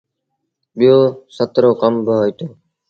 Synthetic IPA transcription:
ɓɪjoːsət̪ɾoːkəmbəɦoːjt̪oː

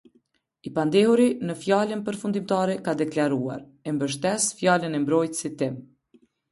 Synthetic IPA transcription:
ipand̪ɛhuɾinəfjalənpəɾfund̪imt̪aɾɛkad̪ɛklaɾua̰ɾ | ɛmbəʃ̬t̪ɛsfjalənɛmbɾɔjt̪sit̪ːim

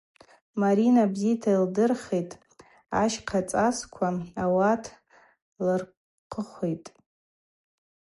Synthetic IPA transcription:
maɾinabzijtʰaildɨrχejtʼ | aʃqʰat͡sʼaskʷʰaawatʰ | lɨr | qʰəχʷejtʼ

